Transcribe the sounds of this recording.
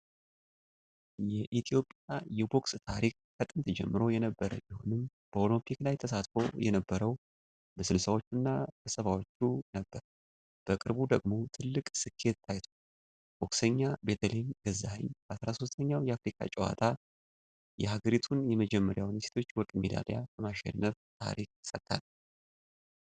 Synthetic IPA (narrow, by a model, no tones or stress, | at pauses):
jɛʔit̪ʰijo̞pʼjajɛbo̞kst̪ʰaɾik̚kʰət̪ʼɨmt̪ʰəd͡ʒɛ̰mːɨɾo̞jɛnəbːəɾəbiho̞̰nɨm | b̥əolɨmpʰiklajt̪ʰəsat̪fo̞jɛnəbːəɾəw | bəsɨlsəwo̞t͡ʃːunːab̥əsəβawo̞t͡ʃːunəbːəɾ | b̥əkʼɨɾbud̪əɡmo̞t̪ʰɨlːɨkʼsɨkʰːe̞t̪ːʰajt̪ʰo | wɔkʼsəɲːabe̞t̪ʰəlemɡəzːahəɲːasɾaso̞st̪ʰəɲːawjɛafɾikʰa̰t͡ʃʼɛwa̰t̪ʰa | jɛhaɡəɾit̪ʰunjɛməd͡ʒɛmːəɾjawnise̥t̪ʰo̞t͡ʃːwɔkʼmed̪a̰lejakəmaʃɛ̰nːəft̪ʰa̰ɾik̚sət̪ʼːa̰l